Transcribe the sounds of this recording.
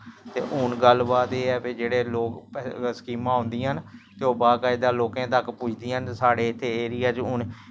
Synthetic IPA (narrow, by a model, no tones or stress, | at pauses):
t̪ḛːʔʊnɡəlbaːt̪eːɛːped͡ʒeːɽeːloːkskiːmãːõːnd̪ĩːɦənt̪eːoːbaːkaid̪ãːloːkẽːt̪əkput͡ʃʰd̪iːənsaːɽeːɪt̪ʰːeːeːɾiːaːt͡ʃʊn